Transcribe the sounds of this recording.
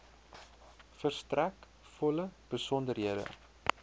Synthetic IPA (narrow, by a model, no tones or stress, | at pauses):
fərstræk | fɔləb̥əsɔndərɦiədə̰